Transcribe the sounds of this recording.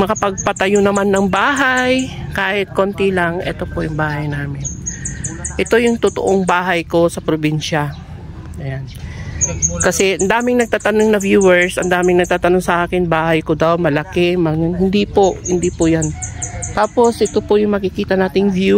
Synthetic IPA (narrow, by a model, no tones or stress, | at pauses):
mɐkɐpɐɡ̚pɐt̪ɐjonɐmanːɐŋbaːɦajkaːhɪt̪̚ko̞ːnt̪ilɐŋʔɛ̰t̪o̞pojʊŋbaːhɐjnaːmɪn | ʔɛt̪o̞jʊŋt̪ʊt̪o̰ʔoŋbaːɦɐjko̞sɐpɾobinʃɐ | ʔɐjan | kɐsɛʔɐnd̪aːmɪŋnɐɡ̚t̪aːt̪ɐnoŋnɐvjuːwɛɹsʔɐnd̪aːmɪŋnɐɡ̚t̪aːt̪ɐnoŋsɐʔaːkɪnbaːhɐjkod̪awmɐlɐkɛmɐhɪnd̪ipohɪnd̪ipʊjant̪aːpo̞sʔɛt̪opojʊŋmɐkɪkiːt̪ɐnaːt̪ɪŋvju